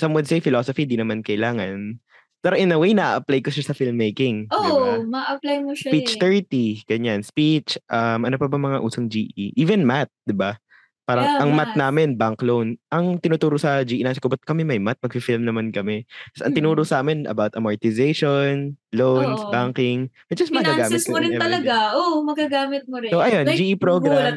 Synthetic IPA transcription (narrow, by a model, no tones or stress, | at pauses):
sɐmwɐd̪sɛjfɪloːsofid̪inɐmankɐʔɪlaːŋɐn | pɛːɾoʔɪnɐwejnɐʔa̰ʔɐplajkoʃasɐfɪlmːejkɪŋomaʔɐplajmospit͡ʃt̪ɛɹt̪iɡ̥ɐɲanspit͡ʃʔɐmʔɐnopɐbɐmɐŋaʔuːsɐŋd͡ʒiːʔiʔiːvɛnmat̪̚d̪ɪba | paːɾɐŋʔɐŋmat̪̚naːmɪnbaŋklownʔɐŋt̪ɪnuːt̪uːɾosɐd͡ʒiːʔinasɪkobɐt̪̚kɐmɛmɐjmat̪̚mɐɡ̚fɪfɪlmnɐmankɐmɛt̪ɐsɐ̰ŋt̪ɪnuːɾosɐʔaːmɪnɐ̰bawt̪ʔɐmɐɹt̪ɪzejʃonlownsbaŋkɪŋʔɐd͡ʒɐsmɐɡaːɡaːmɪtkʊɾɪnɛɐlɐɡaʔomɐɡaɡaːmɪt̪̚moɾɪsoʔɐjond͡ʒiːʔipɾoɡɾam